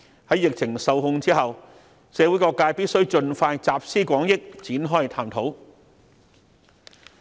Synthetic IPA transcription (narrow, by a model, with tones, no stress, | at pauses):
hɐ˨˥jɪ˨k̚t͡sʰɪ˨˩ŋsɐ˨˧wɦʊ˧ŋt͡siː˥ɦɐ˨w | sɛː˨˧wu˨˥jkɔː˧kːaː˧jpiː˥t̚sɵ˥wt͡ʃɵ˧nfaː˧jt͡saː˨p̚siː˥kʷɔː˨˥ŋjɪ˥k̚t͡siː˨˥nɦɔː˥jt̪ʰaː˧mt̪ʰo˨˥w